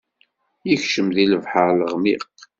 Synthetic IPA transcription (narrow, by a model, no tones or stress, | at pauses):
jəçʃəmðiləvħəɾləʁmiq